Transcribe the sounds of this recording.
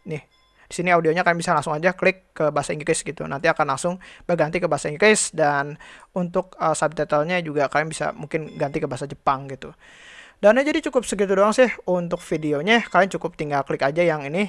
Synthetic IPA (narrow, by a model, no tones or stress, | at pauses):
nɪh | disiniaudioɲakaɾaŋbisalaŋsʊŋad͡ʒakəlɪkːəbaɦasaiŋɡɾɪsɡit̪ṵna̰nt̪iakanlaŋsʊŋbəɡant̪ikəbaɦasaiŋɡɾɪsdanunt̪ʊk̚əsab̚t̪ɛt̪əlɲad͡ʒuɡakaɾjaŋbisa̰muŋkɪnɡant̪ikəbaasad͡ʒəpaŋɡit̪u | danɲad͡ʒadit͡ʃukʊp̚sək̬it̪ʊdoaŋsɪhunt̪ʊk̚fideoɲakaɾaŋt͡ʃukʊp̚t̪iŋɡalkəlɪkad͡ʒajaŋini